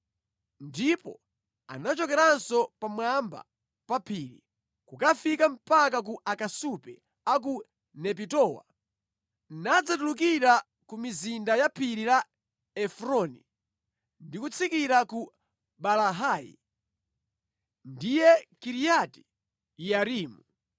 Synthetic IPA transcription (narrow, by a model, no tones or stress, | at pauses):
ndipɔ̰ | a̰nat͡ʃɔkɛɾansɔpamwamba̰ | papʰiːɾḭ | kukafikam̩pak̬ak̬uʔakasupɛ | ak̬u | nɛp̬itɔwa̰ | nad͡zatuluk̬iɾa | kumizindajapʰiɾila | ɛfɾɔni | ndikut͡sʰikiɾaku | balaɦaːjḭ | ndijɛkiɾijati̥ | jaɾiːmu